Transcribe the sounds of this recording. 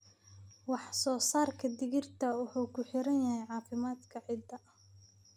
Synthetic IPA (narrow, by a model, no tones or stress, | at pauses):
wɑħsɔːsaːrkʰɐd̪ɪɣɪrt̪ʰɐwʊħuːkʰʊħɪɾɐnjɐɦɛjʕɑːfɪmaːd̪kʰɐʕɪd̪ɐʔɐ